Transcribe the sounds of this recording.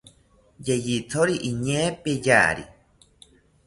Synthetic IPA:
jejit̪ʰoɾiʔiɲẽpeja̰ɾḭ

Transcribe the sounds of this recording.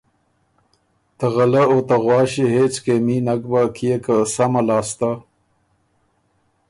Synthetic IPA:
t̪əɣalaot̪aɣwɑːɕiɦeːt͡skeminakbakʰijekasamalɑːst̪a

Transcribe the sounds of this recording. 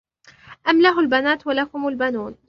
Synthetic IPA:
ʔamlaɦʊlbanaːt̪walakʊmalbanuːn

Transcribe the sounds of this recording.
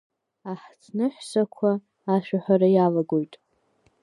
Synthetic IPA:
aħt͡sʰnɨħʷsakʷʰaː | ʃᶣaħʷaɾajalaɡojtʼ

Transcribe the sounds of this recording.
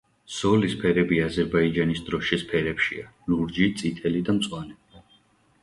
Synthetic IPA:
z̥ɔlispʰɛɾɛbiazɛɾbaid͡ʒanisd̪ɾɔʃispʰɛɾɛpʃḭaluɾd͡ʒit̪sʼit̪ʰʼɛlid̪amt̪sʼwanɛi

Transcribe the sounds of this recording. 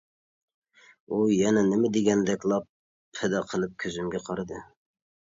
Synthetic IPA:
ujɛnɛnɪmɪd̪eɡʲɛnd̪ɛkʲlˠɑpʰː | ɛd̪ɑqʰəlˠɨp̚kʲʰøzymɡʲɛqʰɑɾɨd̪ɨ

